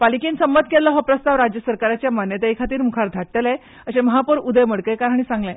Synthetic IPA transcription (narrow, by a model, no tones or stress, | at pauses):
palikiːnsəmbət̪̚ʰkelːəɦəpɾəst̪aʋɾad͡ʑjəsəɾkaɾat͡ɕjamanjət̪ejkʰat̪iːɾmukʰaɾd̪ʱaʈːəle | əɕeməɦapuɾud̪əjməɽkəjkaɾaɽ̃iːsãŋɡlẽ